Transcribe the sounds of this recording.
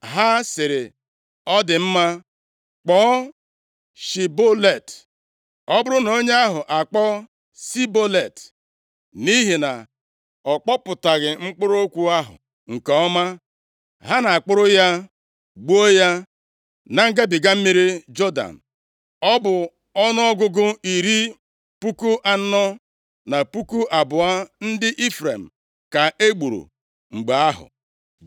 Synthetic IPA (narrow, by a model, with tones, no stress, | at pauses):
ɦa˦sɪ˨ɾɪ˨ | ɔ˦dɪ˨m̩˦ma˦ | k͡pɔ˨˦ | ʃi˨bo˦le˨t | ɔ˦bʊ˦ɾʊ˦no˦ɲe˦a˦ɦʊ˨ʔa˨k͡pɔ˦ | si˦bo˦le˨t | ni˦ɦi˨na˨ | ɔ˨k͡pɔ˦pʊ˨ta˨ɣɪ˨ŋ͡m̩˦k͡pʊ˦ɾo˦kʷu˦a˦ɦʊ̰˨ | ŋ̩˨kɔ˨ɔ˦ma˦ | ɦa˦na˨a˨k͡pʊ˦ɾʊ˦ja˦ | ɡ͡bu˦o˦ja˦ | na˨ŋ̩˦ɡe˦bi˨ɡa˦m̩˦mi˦ɾi˦d͡ʒɔ˦da̰˨n̩˨ | ɔ˦bʊ˨ | ɔ˦nʊ˦ɔ˦ɡʊ˦ɡʊ˦i˨ɾi˦ | pu˦ku˦ʔa˨n̩˦nɔ˦ | na˨pu˦ku˦ʔa˨bʊ˨a˦n̩˦dɪ˦ʔi˦fɾe˨m̩˨ | ka˨e˦ɡ͡bu˨ɾṵ˨ | ŋ͡m̩˨ɡ͡ba˨a˦ɦʊ̰˨